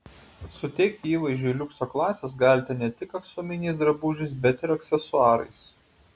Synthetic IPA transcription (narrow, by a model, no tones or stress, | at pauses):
sʊt̪ʲɛɪk̚t̪ʲiːʋɐɪʒʲʊilʲʊksoːklˠɑːsʲes̬ɡɑlʲt̪ʲɛnʲɛt̪ʲɪkɐksoːmʲɪnʲiɪsd̪ɾɐbuʒʲɪsbʲɛt̪ɪɾɐksʲɛsʊɑːɾɐ̰ɪs